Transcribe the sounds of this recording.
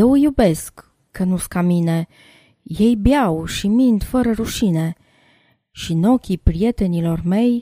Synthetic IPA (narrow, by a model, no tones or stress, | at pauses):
jewjube̞skː | ənuskamine̞ | jejbjawʃimind̪fəɾəɾuʃine̞ | ʃino̞kʲipɾije̞t̪e̞nilo̞rme̞j